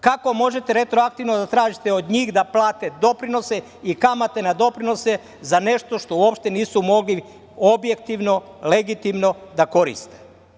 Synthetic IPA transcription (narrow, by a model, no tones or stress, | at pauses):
kako̞mo̞ʒe̞t̪eɾet̪ɾoak̚t̪iʋnod̪at̪ɾaːʒit̪eod̪ɲiːɣd̪aplaːt̪e̞d̪o̞pɾino̞se | ikamat̪e̞nad̪o̞pɾino̞se | zane̞ʃt̪o̞ʃt̪o̞uopʃt̪e̞niːsumo̞ɡli | o̞bje̞kt̪iʋno̞ | le̞ɡit̪imno̞d̪ako̞ɾḭst̪e̥